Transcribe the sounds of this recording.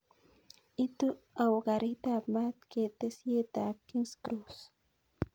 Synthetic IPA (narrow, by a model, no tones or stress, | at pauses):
it̪u | awɡaɾit̪amat̪̚ket̪esjet̪akinskɾus